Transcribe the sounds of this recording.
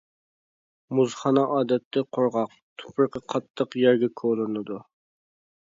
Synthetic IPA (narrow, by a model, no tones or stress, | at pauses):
muzχɑnɑʔɑːd̪ɛt̪ʰːɛqʰoɾʁɑq | t̪ʰu̥pʰɾqɑqʰɑt̪ʰːəqjɛɾɡʲɛkʰolˠɨnɨd̪u